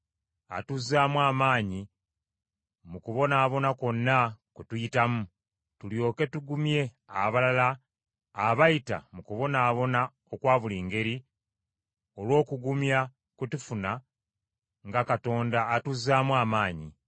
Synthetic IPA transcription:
a̰tuzaːmwaːmaːɲi | mukuβo̞naːβo̞nako̞nːakwetujitamu | tuljo̞ːke̞tuɡumje̞ | a̰βalalaː | βajita̰mukuβo̞naːβo̞na | okwaːβuliːŋɡe̞ɾi | o̞lwo̞ːkuɡumja | kutufuna | ŋɡakato̞ːndaːtuzaːmwaːmaːɲi

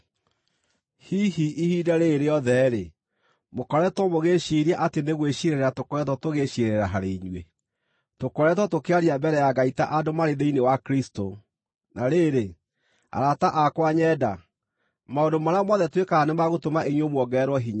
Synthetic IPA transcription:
hiɦiʔihidaɾeːɾeɔðɛɾe | mokɔɾɛtwɔmoɣeɕiɾiaʔateneɣweɕieɾeɾɛɾatokɔɾɛtɔtoɣeɕieɾɾɛɾaɦaɾeɲwe | tokɔɾɛtwɔtokeaɾiabɛɾɛjaɡaitaʔadomaɾeðeinewakɾisto | naɾeːɾe | a̰ɾataʔakwaɲɛda | maondomaɾamɔðɛtwekaanemaɣotomaʔeɲwomwɔɡɛɾwɔɦiɲa

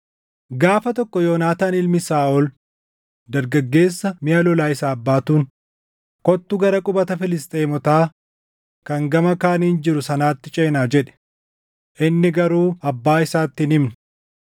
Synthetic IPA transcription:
ɡaːfɐt̪ɔkːɔjoːnaːt̪aːnɪlmɪsaːʔɔl | d̪ɐɾɡɐɡːe̞ːsːɐmɪɐlɔlaːɪsaːɐbːaːt̪uːn | kɔt̪ːʊɡɐɾɐkʼʊbɐt̪ɐfɪlɪst̪ʼeːmɔt̪aː | kɐŋɡɐmɐkaːniːnd͡ʒɪɾʊsɐnaːt̪ːɪt͡ʃʼeːnaːd͡ʒɛᶑɛ̥ | ʔɪnːɪɡɐɾuːɐbːaːɪsaːt̪ːɪnɪmnʊ̥

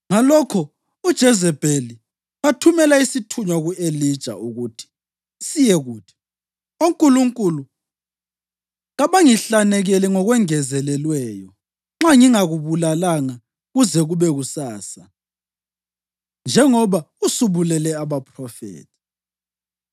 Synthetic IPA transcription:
ŋalɔkʰɔ | ud̥ʒ̥ʱɛzɛb̥ʱeli | βatʰumɛlaisitʰuɲwaɣuelid̥ʒ̥ʱa̰uɣutʰi̥ | sijɛɣuːtʰi̥ | oŋkʼuluŋkʼulu | ɣaβaŋiɬanɛɣɛlɛŋɔɣwɛŋɛzɛlɛlwɛːjɔ | ŋ͡ǁaŋiŋaɣuβulalaŋa | ɣuzɛɣuβɛɣusaːsa | nd͡ʒʱɛŋɔβa | usuβulɛlɛaβapʰrɔfḛːtʰi̥

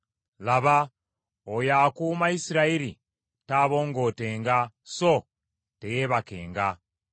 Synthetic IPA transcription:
laβa | ojaːkuːmaisiɾaiɾi | taːβo̞ːŋɡo̞ːte̞ːŋɡa | so | te̞je̞ːβake̞̰ːŋɡa

